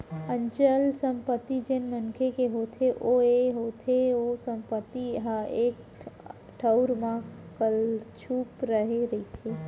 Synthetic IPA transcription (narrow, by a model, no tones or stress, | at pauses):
ə̃ɲt͡ʃəlsə̃mpət̪ːid͡ʒenmənkʰekeɦoːt̪ʰeʔoeɦoːt̪ʰeosə̃mpət̪ːiɦaeːk | ʈʰəʊɾmã | kəlt͡ʃʰuːpɾəɦeɾəit̪ʰe